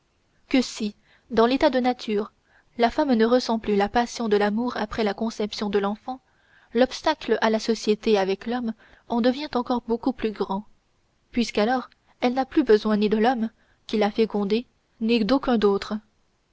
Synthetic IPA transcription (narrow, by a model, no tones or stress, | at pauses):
kəsi | d̪ɑ̃let̪ad̪ənat̪ʰyːʁ | lafamnəʁəsɑ̃plylapasjɔ̃d̪əlamuʁapχɛlakɔ̃sɛpsjɔ̃d̪əlɑ̃fɑ̃ | lɔpst̪akləʔalasɔsjet̪eavɛklɔm | ɑ̃d̪əvjɛ̃t̪ɑ̃kɔʁbokuplyɡʁɑ̃ | pɥiskalɔːʁ | ɛlnaplybəzwɛ̃nid̪əlɔm | kʲilafekɔ̃d̪e | nid̪okʲɛ̃d̪oːt̪χə